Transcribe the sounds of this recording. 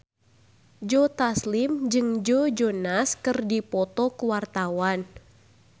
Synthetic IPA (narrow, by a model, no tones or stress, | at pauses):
d͡ʒɔt̪aslimd͡ʒɨŋd͡ʒɔd͡ʒɔnaskɨrdipɔt̪ɔkuwart̪awan